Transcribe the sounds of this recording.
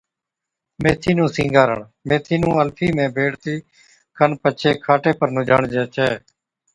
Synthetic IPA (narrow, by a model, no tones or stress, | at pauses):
mẽːt̪ʰiːnũːsĩːŋɡaːɾə̰ɳ | mẽːt̪ʰiːnũːəlpʰiːmẽːbʱeːɽt̪iː | kʰənpət͡ʃʰeːkʰaːʈeːpəɾnũːd͡ʒaːɳd͡ʒɛːt͡ʃɛː